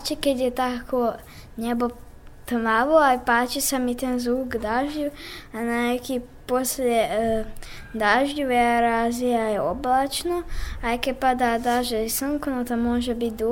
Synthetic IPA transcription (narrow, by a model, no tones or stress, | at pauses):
t͡ʃiked̪jet̪akʰo | ɲebo | t̪əmaʋoapaːt͡ʃisamit̪enzuːɡd̪aʒʎuananeki | poslʲe | d̪aʒʎuʋeaɾaːzijajeoblat͡ʃnoaɛkepad̪ad̪aʒeisəŋkonot̪amoʒɛbit̪̚ʲd̪u